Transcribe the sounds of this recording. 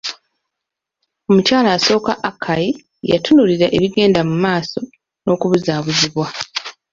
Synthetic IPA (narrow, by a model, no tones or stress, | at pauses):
o̞mucaːlaːso̞ːkaʔakʰːaji | ja̰tunuliɾaʔeβiɡe̞ːndamumaːso̞ | no̞ːkuβuzaːβuziβwa